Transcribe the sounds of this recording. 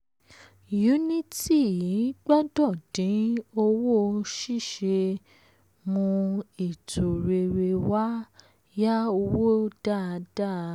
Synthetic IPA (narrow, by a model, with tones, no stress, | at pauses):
ju˨˦nĩ˦ti˦˨i˨˦ɡ͡bɔ˦dɔ˦˨d̥ĩ˨˦o˧wo˦˧ʃi˦˨ʃe˧ | mũ˧i˨tʰo˨ɾe˧˨ɾe˧wa˦ | ja˦o˧wo˦d̥a˦˨˧d̥a˦˨